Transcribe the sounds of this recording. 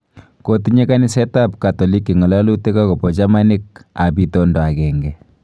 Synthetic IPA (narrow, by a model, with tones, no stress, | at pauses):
kotiɲe˦ka˦ni˦sɛ˦tap̚ka˨tɔ˨li˦kːi˨ŋɔ˨la˦lu˦te˦kakɔ˨pɔ˨t͡ʃama˦ni˦k̚a˨pi˦tɔndɔ˨a˨kɛ˨ŋɡɛ˨